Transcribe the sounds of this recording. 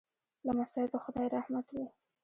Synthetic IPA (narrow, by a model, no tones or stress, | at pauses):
lamasɑɪd̪oxʊd̪ɑjɾahmat̪wi